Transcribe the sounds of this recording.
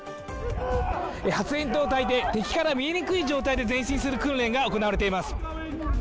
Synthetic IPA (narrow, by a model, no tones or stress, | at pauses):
ehat͡sɨẽ̞nt̪o̞ːt̪ait̪e̞t̪e̞kʲi̥kaɾamʲieɲ̟ikɯ̟iʑo̞ːt̪aid̪e̞zẽɕĩɰ̃sɨɾɯ̟kɯ̟̃nɾẽ̞ŋɡao̞ko̞naβaɾe̞t̪̬e̞imasɨ̥